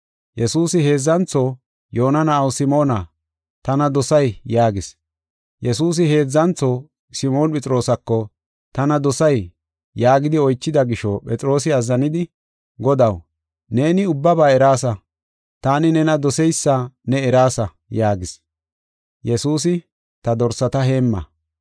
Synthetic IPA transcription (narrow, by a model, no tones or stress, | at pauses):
jɛsuːsɪhe̞ːzːɐnt͡soː | jo̞ːnɐnɐɐwsɪmo̞ːnɐ | t̪ɐnɐd̪ɔsɐjjaːɡɪs | jɛsuːs̬ɪɦe̞ːzːɐnt͡sːo | sɪmo̞ːnpʼɛt͡sʼɪɾo̞ːsɐkːɔ | t̪ɐnɐd̪ɔsɐj | jaːɡɪd̪ɪɔjt͡ʃːɪd̪ɐɡɪʃɔpʼɛt͡sʼɪɾo̞ːs̬ɪɐzɐnɪd̪ɪ | ɡɔd̪ɐw | ne̞ːnɪʊbːɐbaːɛɾaːsɐ | t̪aːnɪnɛnɐd̪ɔsɛjsːanɛɛɾaːsɐ | jaːɡɪs | jɛsuːs̬ɪ | t̪ɐd̪ɔɾsɐt̪ɐɦe̞ːmːɐ̰